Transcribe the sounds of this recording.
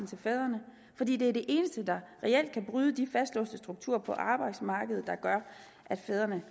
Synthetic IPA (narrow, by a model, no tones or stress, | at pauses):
n̩t͡sʰe̝lfeð̞ˠɐnə | fɒ̽dḭːd̥e̝æɐd̥e̝ʔe̝ːnəsd̥əd̥ɑ̈ʁɛel̰d̥̚kʰæb̥ʁyːð̞ˠəd̥ifæsd̥lɔ̰̽ːsd̥əsd̥ʁuɡ̥̚t͡sʰṵɐ̰pʰɒ̽ʔɑ̈ːb̥ɑ̈ɪ̰d̥smɑ̈ːɡ̥əð̞̩ˠd̥ɑ̈ɡ̥ɶɐ̰ | ʔæd̥feð̞ˠɐnə